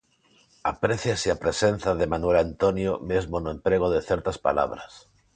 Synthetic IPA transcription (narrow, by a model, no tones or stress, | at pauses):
a̰pɾeθjaseapɾesen̟θaðemanwelant̪onjomezmonoẽmpɾeɣ̞oðeθeɾt̪aspa̰la̰β̞ɾas